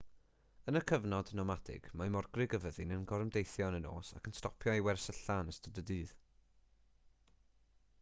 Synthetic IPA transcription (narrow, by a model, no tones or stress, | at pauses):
ənəkʰəvnɔdnɔmadʰɪ̰ɡ̥mamɔrɡrɪɡəvəðɨnənɡɔɾəmdejθjɔnəno̰ːsa̰kʰənstɔpʰjɔiwɛrsəɬanəstədədɨːð